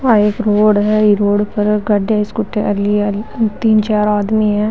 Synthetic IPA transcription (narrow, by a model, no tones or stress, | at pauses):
aeːkɾoːɽɦɛiɾoːɽpɐɾɡɐɖaːjskʊʈːeʔɐliɐlt̪iːnt͡ʃaːɾaːd̪miɦɛ